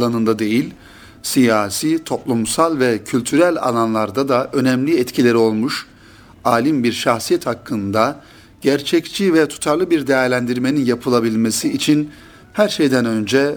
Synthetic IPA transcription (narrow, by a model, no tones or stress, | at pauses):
lˠanɯnd̪ad̪e̞jilʲ | sijaːsiːt̪ʰo̞plˠumsalˠvɛcʰylʲt̪ʰyɾælʲa̰lˠanlˠaɾd̪ad̪aʔø̞nɛmlʲiɛt̪cʰilʲe̞ɾio̞lˠmuʃ | aːlʲimbiɾʃaxsijɛt̪hakʰːɯnd̪a | ɟ̥æɾt͡ʃʰɛct͡ʃʰivɛt̪ʰu̥t̪ʰaɾlˠɯbiɾd̪ejæɾlʲænd̪iɾme̞ninjapʰɯlˠabilʲmesiːt͡ʃʰin | hæɾʃejd̪ænø̞nd͡ʒɛ